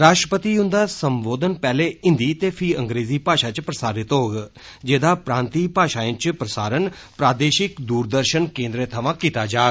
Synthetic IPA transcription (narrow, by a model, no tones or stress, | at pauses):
ɾaːʃʈɾəpət̪iːʊ̃nd̪aːsəmboːd̪ənpɛːleːɪ̃nd̪iːt̪eːpʰiːəŋɡɾeːziːpaːʃãːt͡ʃpɾəsaːɾɪt̪ɦoːɡ | d͡ʒeːd̪aːpɾãːnt̪iːpaːʃaːɪ̃t͡ʃpɾəsaːɾənpɾaːd̪eːʃɪkd̪uːɾd̪əɾʃənkẽːnd̪ɾeːt̪ʰəʋãːkiːt̪aːd͡ʒaː